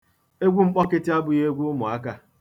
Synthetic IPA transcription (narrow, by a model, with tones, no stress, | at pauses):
e˦ɡʷu˦ŋ͡m̩˦k͡pɔ˦kɪ˦tɪ˦a˦bʊ˦je˦ɡʷu˦ʊ˦mʊ˨a˦ka˦